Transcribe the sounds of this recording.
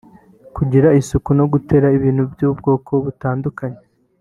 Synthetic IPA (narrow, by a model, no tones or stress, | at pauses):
kuɟiɾaisukuno̞ɡute̞ɾaiβiːn̥hubjuːb̚ɡo̞ːkʰo̞βutaːndukaɲe